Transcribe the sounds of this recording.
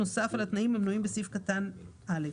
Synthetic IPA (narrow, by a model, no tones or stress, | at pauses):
osafalat̪naʔimamnuimbesifkat̪anʔale